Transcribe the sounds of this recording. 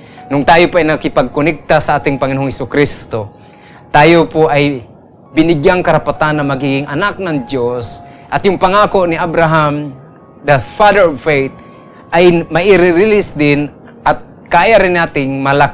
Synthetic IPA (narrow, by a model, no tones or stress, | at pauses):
nʊŋt̪aːjopaʔːjnɐkɪpaɡ̚kʊnɛk̚t̪asaʔaːt̪ɪŋpɐŋɪnoːhohɛsʊkɾist̪o | t̪aːjopoʔaj | bɪnɪɡjaŋkɐɾapat̪anːɐŋmɐɡiːɡɪŋɐnak̚naŋd̪jos | ʔɐt̪jʊŋpaŋaːkoʔnɪʔabɾaɦam | d̪ɐfad̪ɛɹɔvfejt̪̚ | ʔajmɐʔɪɾɪɾɪlɪsd̪ɪn | ʔat̪̚ | kaːjaɾɪnːaːt̪ɪŋmɐlak